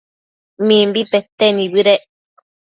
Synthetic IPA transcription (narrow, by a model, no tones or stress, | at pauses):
mĩmbipet̪enĩbɨɾe